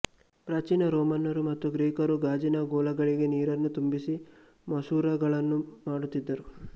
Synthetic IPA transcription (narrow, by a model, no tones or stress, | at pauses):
pɾɐt͡ʃinɐɾoːmɐnːɐɾumɐt̪ːuɡɾiːkɐɾuɡaːd͡ʒinɐɡɔːlɐɡɐɭiɡe̞niːɾɐnːut̪umbisi | mɐsuːɾɐɡɐɭɐnːumaːɽut̪ːid̪ːɐɾu